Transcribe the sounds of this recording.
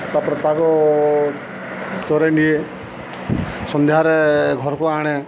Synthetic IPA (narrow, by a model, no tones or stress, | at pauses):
t̪apɾɔt̪akɔ | t͡ʃ̪ɔɾeɳɖie | sɔnd̪eɦaɾeɡʱɔɾɔkuaɽ̃e